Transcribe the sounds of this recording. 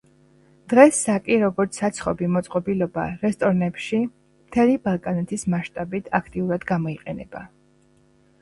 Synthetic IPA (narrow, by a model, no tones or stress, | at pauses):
d̪̥ʁɛsːakʼiɾɔɡɔɾt̪sʰat̪sʰχɔbimɔt̪sʼqʼɔbilɔba̰ɾɛst̪ʼɔɾnɛpʃi | mt̪ʰɛlibalˠkʼanɛt̪ʰismaʃt̪ʼabit̪ʰakʰt̪ʼiuɾad̪ɡamɔiqʼɛnɛ̰ba̰